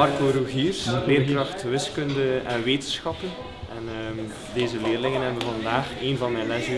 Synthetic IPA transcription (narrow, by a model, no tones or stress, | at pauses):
ɑrkoɾoɣiːrsleːrkrɑxtʋɪskɵndəɛnʋeːtənsxɑpən | ɛnə | deːzəleːrlɪŋənɦɛnʋəvɑndaːxeːnvɑnmɛnlɛzy